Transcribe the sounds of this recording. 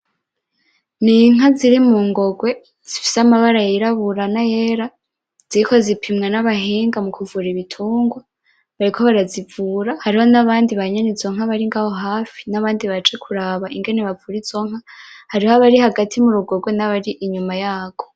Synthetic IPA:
niŋ̥aziɾimuːŋɡo̞ɡwe̞ | z̥ifi̥samaβaɾajiɾaβuɾanaje̞ɾa | z̥iɾiko̞zipʰimŋenaβaɦiːŋɡamukʰuvuɾiβitʰuːŋɡwa | βaɾikʰo̞βaɾazivuːɾahaɾiho̞naβaːndiβaɲenizo̞ŋ̥haβaɾiŋɡaho̞ɦaːfi̥naβaːndiβat͡ʃe̞kʰuɾaːβaʔiŋɡe̞neβavuɾizo̞ŋ̥hahaɾihoaβaɾihaɡatʰimuɾuɡo̞ɡwe̞naβaɾiʔiɲumajaːɡo̞̥

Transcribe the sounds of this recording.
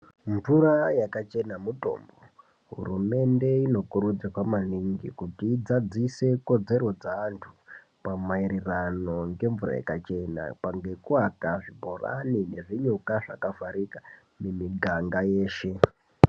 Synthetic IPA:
ɱvurajakat͡ʃe̞namuto̞̰mbo | ɦṵrume̞nde̞ino̞kuɾud͡zikwamaniŋɡḭkutiːd͡zad͡zise̞ko̞d͡ze̞ɾo̞d͡zaːntʰu̥ | pamaiɾirano̞ŋɡe̞ɱvura̰ja̰kat͡ʃe̞na̰paŋɡe̞kuakaʐibʱora̰nine̞ʐiɲokaʐakafaɾika | memiɡʱaŋɡaje̞ːʃe̞

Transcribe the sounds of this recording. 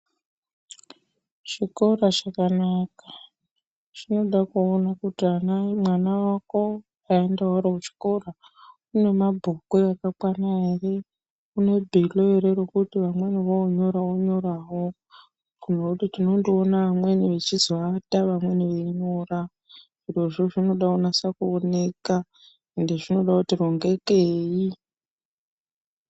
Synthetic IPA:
ʃiko̞raʃakanakḁ | t͡ʃino̞ɗakuonakutianamwanawako̞ | aendaoɾeut͡ʃi̥ko̞ra | une̞mabʱokweakakwanaere | une̞bʱiloeɾeɾo̞kutiʋamwe̞niʋoɲo̞ɾaoɲo̞ɾawo̞ | kunekutitinondionaʋamwe̞niʋet͡ʃizwataʋamwe̞niʋeɲora | iro̞ʐo̞ʐino̞ɗaunasakuone̞ka | endeʐino̞ɗakutiro̞ŋɡe̞keːi

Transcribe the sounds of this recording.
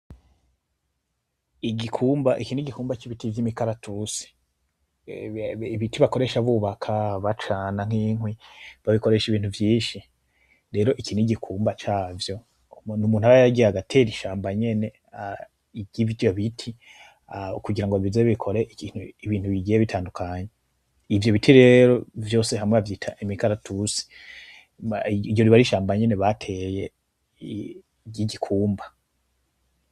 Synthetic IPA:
iɡikʰuːmbaʔikiːniɡikuːmbat͡ʃiβitivjimikaɾatʰusi̥ | iβitiβako̞ɾe̞ʃaβuːβakʰaβat͡ʃaːnaŋ̥iːŋwiβaβiko̞ɾe̞ʃiβiːn̥thuvjiːnʃi | ɾe̞ːɾo̞ʔikiːniɟikʰuːmbat͡ʃaːvjo̞ | numuːnhaɾajaɡiaɡatʰe̞ɾiʃaːmbaɲe̞ne̞ | iɟivoβitʰi | kuɡiɾaŋɡo̞βizeβikʰo̞ɾeʔikiːnhuiβiːntuβiɡijeβitʰaːndukaɲe | ivjo̞βitʰiɾe̞ɾo̞vjo̞ːse̞ɦamŋeavjiːtʰa̰imikaɾatʰusi̥ | iɾjo̞ɾiβaɾiʃaːmbaɲe̞ne̞βatʰeje̞ | ɟiɟikʰuːmba

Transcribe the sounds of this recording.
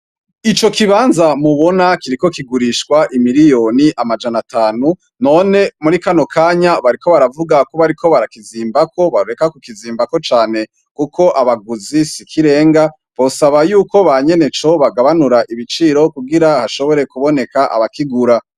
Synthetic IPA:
it͡ʃo̞kiβaːnzamuβo̞nakiɾiko̞kiɡuɾiʃkwaʔimiɾijo̞niʔamad͡ʒanataːnu | no̞ne̞muɾikano̞kʰaːɲaβaɾiko̞βaɾavuɡako̞βaɾikʰo̞βaɾakiziːmbako̞βaɾuɾe̞kakukiziːmbako̞t͡ʃaːne̞ | kukʰo̞ʔaβaɡuzisikʰiɾe̞ːŋɡa | βo̞saβajuːko̞βaɲe̞ne̞t͡ʃo̞βaɡaβanuɾaʔiβit͡ʃiɾo̞kuɡiɾahaʃo̞βo̞ɾe̞kuβo̞ne̞kaʔa̰βakiɡuɾa

